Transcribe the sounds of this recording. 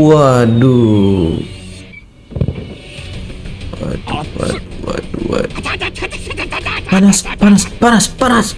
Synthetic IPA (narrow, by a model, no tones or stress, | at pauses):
wadu | aduwa̰duwa̰duwa̰du | panaspanaspaɾaspaɾas